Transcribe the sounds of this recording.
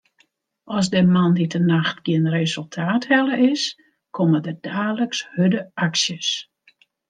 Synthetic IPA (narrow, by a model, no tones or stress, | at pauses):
ɔsdəmanditʰənaxtɡ̥iənrezɵlˠtʰaːthɛlˠəʔɪs | kʰomədədaːləkshødəʔaksjəs